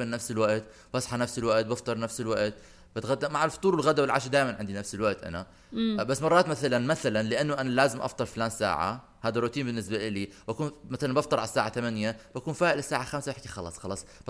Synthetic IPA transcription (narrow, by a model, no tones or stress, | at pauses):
mɪnːafsɪlwaʔt̪ | bɑsˤħɑnafsɪlwaʔt̪̚bɑft̪ˤɑɾˤnafsɪlwaʔt̪ | bɪt̪ɣad̪ːamaʕalfɑ̥t̪ˤuːɾwɪlɣad̪awɪlʕa̰ʃd̪aːjmanʕɪnd̪inafsɪlwaʔt̪ʔa̰na | basːmɑrˤːɑːt̪maθalanmaθalanlɪʔanːʊʔanalaːzɪmʔɑ̰ft̪ˤɑɾˤflaːnsa̰ːʕa̰ | haːd̪arˤːʊt̪iːmbɪnːɪs̬baʔɪliːbakuːnmaθalanbɑft̪ɑɾˤʕalsːaːʕat̪amanjab̥akuːnfaːʔɪlɪsːaːʕaxamsabɪħkixɑlɑ̰ːsˤxɑlɑːsˤb